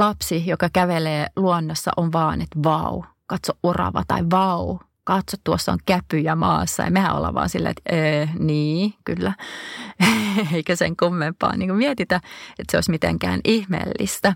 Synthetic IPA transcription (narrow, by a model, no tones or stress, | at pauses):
lɑpsijokɑkæʋeleːluonːosːɑ̰ʔonʋɑːnet̪ʋɑ̰u | kɑt̪soʔʔurɑ̰ʋɑ̰t̪ɑ̰iʋɑu | kɑt̪sot̪t̪uosːo̰ŋkæpyjæmɑ̰ːsːɑḛimehæo̰lːɑ̰ʋɑ̰ːnsilːæ̰ḛt̪eːniːkylːæ | eikæsḛŋkumːempɑ̰ːniːŋkumiɛt̪it̪æet̪seo̰ismit̪ḛŋkæ̰ːnihmḛlːḭst̪æ